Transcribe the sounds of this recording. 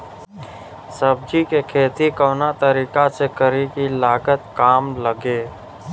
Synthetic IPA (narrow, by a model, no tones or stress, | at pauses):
səb̚d͡ʒikekʰeːt̪ikɔːnat̪əɾiːkasekəɾikilaːɡət̪kaːmləɡeː